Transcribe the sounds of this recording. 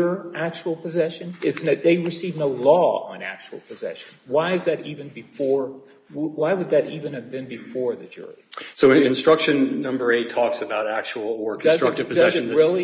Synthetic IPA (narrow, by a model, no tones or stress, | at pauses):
ə˞æk̚t͡ʃul̩ˠpʰɨzɛʃɨ̃nɪtsnɨðeɪɹɨsivnoʊlɔə̰̃næ̰k̚t͡ʃul̩ˠpʰɨzɛ̰ʃɨ̃nwaɪɨzðɨɾivɨ̃nbɨfɔɹ | waɪwəd̪̚ðɨɾivɨ̃nɨvbɨ̃nbɨfɔɹðɨd͡ʒʊ̰ɹḭsoʊɪ̃nstɹ̥ʌkʃɨ̃nːʌ̃mbə˞eɪtʰɔksɨbaʊɾæk̚t͡ʃul̩ˠə˞kʰnʌszɹʌktɨ̥pʰɨdʌʃɨɹɪlˠi